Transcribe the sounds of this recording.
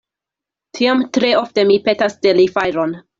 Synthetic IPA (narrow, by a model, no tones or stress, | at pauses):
tʰiamtɾe̞o̞fte̞mipetastelifajɾon